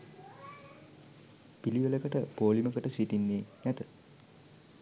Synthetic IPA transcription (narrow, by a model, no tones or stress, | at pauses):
piliʋələkəʈəpoːliməkəʈəsiʈinːeːnɛt̪ə